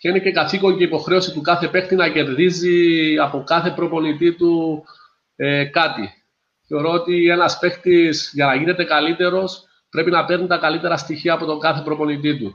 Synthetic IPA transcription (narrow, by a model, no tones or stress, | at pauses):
ceinece̞kɐθiko̞ɲceipo̞xɾe̞osit̪ukɐθe̞pe̞xt̪inɐce̞ɾðiziɐpo̞kɐθe̞pɾo̞po̞nit̪it̪u | ekɐt̪ḭ | θe̞o̞ɾo̞ot̪ie̞nɐspe̞xt̪isʝɐnɐʝine̞t̪e̞kɐlit̪e̞ɾo̞s | pɾe̞pinɐpe̞ɾnit̪ɐkɐlit̪e̞ɾɐst̪içiɐːpo̞t̪o̞ɡɐθe̞pɾo̞po̞nit̪̬it̪u